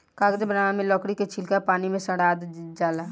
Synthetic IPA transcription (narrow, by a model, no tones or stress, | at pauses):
kaːɡd̪ebəɾaːmẽlɔːkɽiket͡ʃʰɪlkapaːnimẽsəɽaːd̪d͡ʒaːla